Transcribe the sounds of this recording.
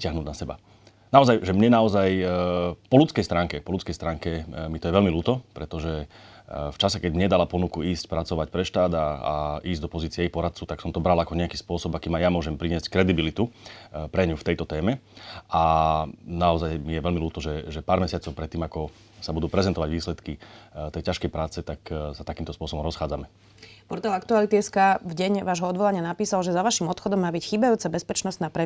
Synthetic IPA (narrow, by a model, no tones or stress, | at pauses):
cɪaɦnuːd̪nasɛba̰ | naɔzajʒɛmɲɛnaɔzaj | pɔlut͡skɛjst̪ɾaːŋkɛpɔlut͡skɛjst̪ɾaːŋkɛmit̪ɔjɛʋɛlmiluːt̪ɔpɾɛt̪ɔʒɛ | ft͡ʃasɛkɛɟmɲɛd̪alapɔnukuiːscpɾat͡sɔʋacpɾɛʃt̪aːd̪aa̰iːzɟd̪ɔpɔziːt͡siɛɛipɔɾat̪̚t͡suʊt̪aksɔmt̪ɔbɾalakɔɲɛakiːspʊɔsɔbakiːmajamʊɔʒɛmpɾiɲɪɛsckɾɛd̪ibilit̪upɾɛɲuft̪ɛjt̪ɔt̪ɛːmɛʔa | naɔzajmijɛʋɛlmiluːt̪ɔʒɛʒɛpaːɾmɛsɪat͡sɔʊpɾɛt̪ːiːmakɔ | sabud̪uːpɾɛzɛnt̪ɔʋaɟʋiːslɛt̪kit̪ɛjcaʃkɛjpɾaːt͡sɛt̪aksat̪akiːmt̪ɔspʊɔsɔbɔmɾɔsxaːd͡zamɛ | pɔɾt̪alakt̪ualit̪iɛskavɟɛɲʋaːʒɦɔɔd̪ʋɔlaɲɪanapiːsalʒɛzaʋaʃimɔt̪xɔd̪ɔmːaːbicxiːbajuːt͡sɛbɛspɛt͡ʃnɔst̪naːpɾɛ